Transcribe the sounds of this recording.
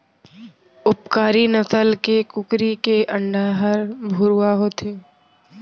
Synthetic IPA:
ʊpkaːɾinəsəlkekʊkɾikeʔə̃ɳɖaːɦəɾbʱʊɾuaɦoːt̪eː

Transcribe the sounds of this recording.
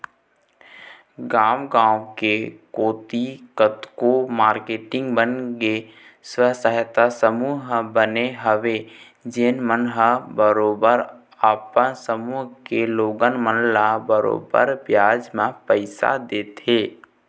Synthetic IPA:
ɡaːmɡãːwokekoːt̪ikət̪komaːɾkeːʈɪ̃ŋɡbənɡe | swəɦsəɦt̪asəmuːɦbəneɦəʋe | d͡ʒeːnmənɦəbəɾoːbəɾ | aːpənsəmuːɦkeloːɡənmənlabəɾo̰ːbə̰ɾbjaːd͡ʒmãpəɪsa̰d̪eːt̪ʰeː

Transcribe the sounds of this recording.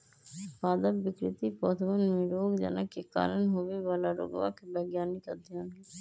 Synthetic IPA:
paːd̪əpːɪkɾɪt̪ipɔːt̪ʰʋənmiɾoːɡd͡ʒɛ̰nakeka̰ːɾənɦoʋeʋaːlaɾo̰ːɡʋa̰kebɛɡjaːnikəd̪jɦãːe

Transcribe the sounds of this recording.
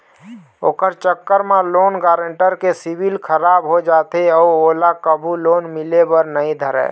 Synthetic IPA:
oːkəɾt͡ʃəkːəɾmeloːnɡaːɾəɳʈəɾkesibilkʰəɾabɦod͡ʒat̪eɔːolakəbʱuloːnmɪlebəɾnəĩd̪ʱəɾɛ̰

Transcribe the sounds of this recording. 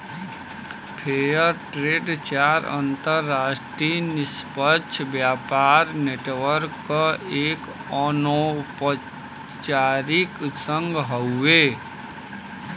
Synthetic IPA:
pʰejəɾʈɾeːɖt͡ʃaːɾə̰̃nt̪əɾːaːsʈɾinɪspətːʃʰbjaːpaːɾneːʈʋəɾkːəeːk | ɔnopə | t͡ʃaɾɪksə̃ŋɡɦəue

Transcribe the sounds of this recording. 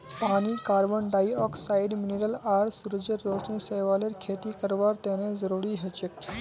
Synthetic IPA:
paːñiːkaːɾbəɳɖaːiɔːksajɖmineɾəlaːɾsuɾd͡ʒeɾːoːsneseʋaːleɾkʰeːt̪ikəɾʋaːɾt̪eːnẽzəɾuːɾiɦet͡ʃek

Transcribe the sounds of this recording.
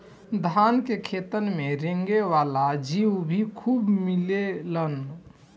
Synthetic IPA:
d̪ʱankekʰet̪ənmeɾeŋɡeʋalad͡ʒiwbʱikʰubmilelən

